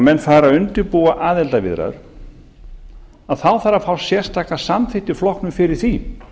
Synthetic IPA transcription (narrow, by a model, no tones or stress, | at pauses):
mɛnːfaːɾaʏnt̪ɪɾpuːaʔaːðɛlt̪avɪ̰ðɾa̰ʏɾ̥ | aðθawθaɾːafawsjɛr̥st̪ʰaːkasamθɪht̪ɪ̥flɔhknʏmfɪɾɪɾ̥θi